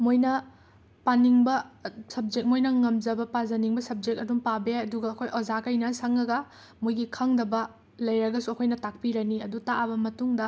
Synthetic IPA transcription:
mojnɐ | paniŋbɐsɐb̚d͡ʒek̚mojnɐŋɐmzɐbɐpazɐniŋbɐsɐb̚d͡ʒek̚tɐdumpabeɐduɡɐːkʰojʔozakɐjnɐsɐŋɐɡɐ | mojɡikʰaŋdɐbɐ | lɐjɾɐɡɐsuɐkʰojnɐtak̚piɾɐniɐdutaʔɐbɐmɐtuŋdɐ

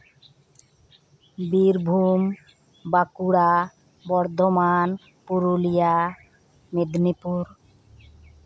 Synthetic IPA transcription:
biɾbʱum | bakuɽa | bɔɾd̪ʱoman | puɾulija | med̪nipuɾ

